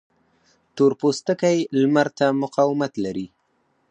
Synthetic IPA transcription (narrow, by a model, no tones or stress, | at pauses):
t̪oɾpost̪əkajlmaɾt̪amʊqɑwɪmat̪laɾi